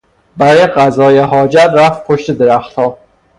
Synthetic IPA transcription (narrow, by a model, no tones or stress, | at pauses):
bæɾeɢæzɒːjeɦɒːd͡ʒæt̪ɾæft̪̚pʰoʃt̪ed̪eɾæxt̪hɒː